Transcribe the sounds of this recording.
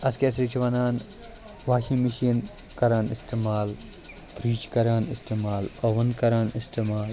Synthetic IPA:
ɐskʲesɾit͡ʃʰʋɐnaːn | ʋaːʃimiʃin | kɐɾaːnist̪emaːl | t̪ɾiːt͡ʃkɐɾaːnist̪emaːloʋɐnkɐɾaːnist̪emaːl

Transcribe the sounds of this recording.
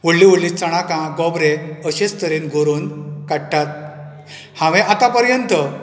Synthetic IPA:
ʋoɽliʋoɽlit͡səɽ̃akãɡɔbɾeəɕest̪əɾiːnɡʱoɾonkaɽʈat̪̚ | hãʋɛ̃ʔat̪apəɾjənt̪ə

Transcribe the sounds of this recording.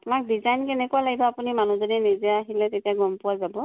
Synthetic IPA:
tʊmak̚dizajnkɛnɛkualaɡibɔapunimanuzɔdinizɛaɦilɛtetiaɡɔmpʊwazabɔ

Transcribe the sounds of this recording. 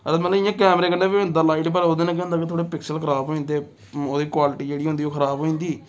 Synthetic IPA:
əmət̪ləʋɪjãːkɛːmɾeːkənd̪ẽːbĩnd̪alaːiʈpəɾoːd̪eːnãːk̬ɛ̃ːnd̪aːket̪ʰoːɽeːpɪksəlkʰəɾaːbɦoːĩnd̪eː | oːd̪iːkwaːlɪʈiːd͡ʒeːɽiːɦʊ̃nd̪iːoːkʰəɾaːbɦoːĩːnd̪iː

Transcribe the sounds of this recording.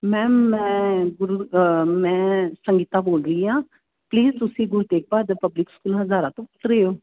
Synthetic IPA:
mɛ̃ːmɛ̃ːɡʊɾumɛ̃ːsəŋɡiːt̪aːboːlɾəiːɦãː | pliːzt̪ʊsĩːɡʊɾuːt̪eːk̚baːd̪pəblɪkskuːlɦəzaːɾãːt̪õːʊt̪ɾeːoː

